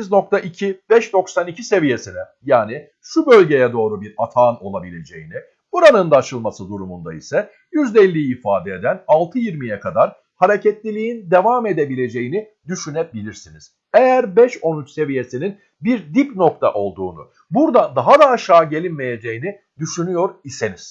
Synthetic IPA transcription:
izno̞k̚t̪ʰaʔicʰib̥ɛʃd̪o̞ksanicʰise̞vije̞sinɛjaːni | ʃubø̞lʲɟe̞jɛd̪o̞ːɾubiɾat̪ʰaːno̞lˠabilʲe̞d͡ʒḛjini | buɾanɯnd̪aːt͡ʃʰɯlˠmasɯd̪uɾumund̪a̰isɛ | jyzd̪ɛlʲːijiːfaːd̪ɛed̪ænalˠt̪ʰɯjiɾmijɛkʰad̪aɾ | haɾecɛt̪lʲilʲijind̪e̞vame̞d̪e̞bilʲe̞d͡ʒe̞jini | d̪yʃynɛbilʲiɾsiniz̥ | ejæɾbɛʃo̞nyt͡ʃse̞vije̞sinin | biɾd̪ipno̞kt̪ʰa̰ʔo̞lˠd̪uːnṵ | buɾd̪ad̪aɦad̪aːʃaːɟe̞lʲinme̞je̞d͡ʒe̞jini | d̪yʃynyjo̞ɾiseniz̥

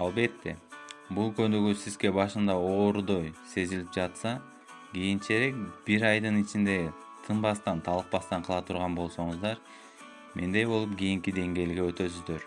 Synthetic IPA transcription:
ɑlˠbe̞t̪ːe̞bulˠkø̞nd̪øɡysizɡe̞bɑʃɯnd̪ɑo̞ːɾd̪o̞jse̞zilʲip̚d͡ʒɑt̪sɑ | ɡijint͡ʃe̞ɾe̞k̚b̥iɾɑjd̪ɯnit͡ʃind̪e̞ | t̪ʰɯnbɑst̪ɑnt̪ʰɑlˠɯq̚pɑst̪ɑɴqʰɯlˠɑt̪ʰuɾʁɑnbo̞lˠso̞ɴɯzd̪ɑɾ | mʔe̞nd̪e̞jbo̞lˠup̚ɡʲijiŋkid̪e̞ŋɡe̞ːlɡe̞ø̞t̪ø̞syzd̪ø̞ɾ

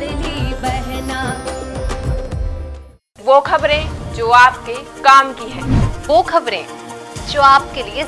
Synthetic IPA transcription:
ɪdibɛɦna | ʋoːkʰɐbɾẽd͡ʒoːaːp̚kekaːmkiɦɛ̃ːoːkʰɐbɾẽːd͡ʒoːaːpkelie

